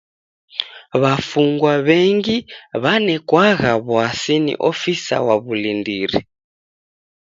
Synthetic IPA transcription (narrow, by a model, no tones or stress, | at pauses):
βafuŋɡwaβɛŋɡiβanɛkwaɣaβuasinḭʔofisa̰waβulindiːɾḭ